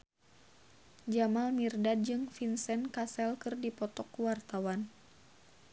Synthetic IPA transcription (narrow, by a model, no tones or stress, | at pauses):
d͡ʒamalmirdad̚d͡ʒɨŋfinsɛnkasɛlkɨrdipɔt̪ɔkwart̪awan